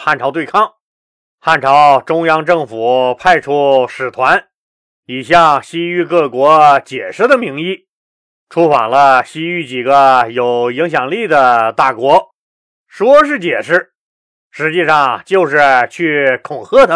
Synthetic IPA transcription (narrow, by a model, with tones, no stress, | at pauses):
xa˥˩nʈ͡ʂʰɑ˧˥ʊt̪we˥˧ɪkʰɑ˥ŋ | xa˥˩nʈ͡ʂʰɑ˧˥ʊʈ͡ʂʊ˥ŋjɑ˥ŋʈ͡ʂɤ˥˩ŋfu˨˩˦pʰa˥˧ɪʈ͡ʂʰu˥˩ʂɻ̩˨˩t̪ʰwa˧˥n | i˨˩ɕjɑ˥˩ɕi˥y˧˥kɤ˥˩kwɔ˧˥t͡ɕjɛ˨˩ʂɻ̩˥˩d̪ə˨˩mi˧˥ŋi˥˩ | ʈ͡ʂʰu˥fɑ̰˨˩ŋlə˦ɕi˥y˧˥˩t͡ɕi˨˩ɡə˦jo˨˩ʊi˧˥ŋɕ̬jɑ˨˩ŋli˥˩d̪ə˩t̪a˥˩kwɔ˧˥ | ʂwɔ˥ʂ̬ɻ̩˥˩t͡ɕjɛ˨˩ʂɻ̩˥˩ | ʂɻ̩˧˥t͡ɕi˥˧ʂɑ˥˩ŋt͡ɕjo˥˧ʊʂɻ̩˥˧t͡ɕʰy˥˩kʰʊ˨˩ŋxʰɤ˥t̪ʰa˧˥